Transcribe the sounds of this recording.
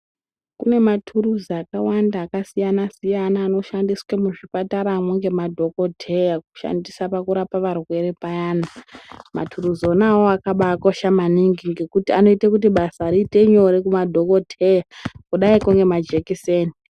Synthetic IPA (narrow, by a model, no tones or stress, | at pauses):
kune̞matʰuɾuzakawandaːkasijanasijanaːno̞ʃandiswemuʐipataɾamweŋɡe̞madʱo̞ko̞tʰe̞jaku̥ʃa̰ndisapakuɾapaʋarwe̞ɾepajaːnama̰tʰuruzonawoakaɓaːko̞ʃamaniŋɡiŋɡekutiano̞itakut̬iɓasaɾiːte̞ɲo̞ɾekumadʱo̞ko̞tʰejakuɗaikuŋɡe̞mad͡ʒekiseːni